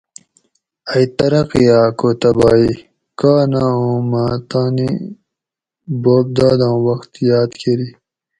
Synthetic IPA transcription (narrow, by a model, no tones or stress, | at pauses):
ɐjt̪ɐɾɐqijaːkot̪ɐbaːi | kaːnaũːmaːt̪aːni | boːb̚d̪aːd̪ãːwɐxt̪jaːd̪kʰeɾi